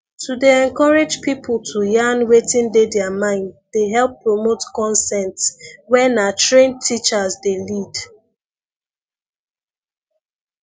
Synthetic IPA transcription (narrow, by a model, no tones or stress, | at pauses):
tʰudeɛ̃nkɔɹed͡ʒpipʰlˠtʰujãnwetĩndedɛamãɪ̃nddeɦɛlˠpːɹomotkɔ̃nsɛ̃ntswɛnatɹẽntʰit͡ʃazdelid